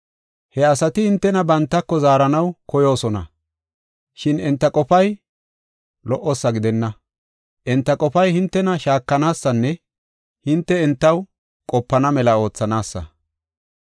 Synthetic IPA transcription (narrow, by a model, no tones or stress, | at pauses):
hɛɐsɐt̪ɪhɪnt̪ːɛnɐbɐnt̪ːɐkːɔzaːɾɐnɐwkʰɔjo̞ːsɔnɐ̰ | ʃɪnɛnt̪ːɐkʼɔfɐj | lɔʔɔsːɐɡɪd̪ɛnːɐ | ʔɛnt̪ːɐkʼɔfɐjhɪnt̪ːɛnɐʃaːkːɐnaːsːɐnːɛ | hɪnt̪ːɛɛnt̪ːɐw | kʼɔpːɐnɐmɛlɐo̞ːt͡sːɐnaːsːɐ̰